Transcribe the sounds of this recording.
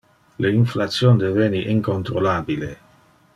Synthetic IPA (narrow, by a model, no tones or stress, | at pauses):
leinflat̪sjond̪eveːniʔiŋkont̪ɾolaːbile